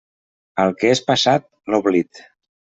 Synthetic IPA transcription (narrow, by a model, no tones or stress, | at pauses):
əlˠkeespasat̪̚loβlit̪